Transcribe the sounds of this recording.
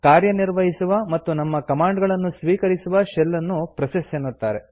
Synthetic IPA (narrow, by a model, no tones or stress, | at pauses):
kaːɾjɐniɾʋɐɦisuʋɐmɐt̪ːunɐmːɐkɐmaːɳɖɡɐɭɐnːusʋiːkɐɾisuʋɐʃɛlːɐnːupɾɐsɐsenːut̪ːaːɾe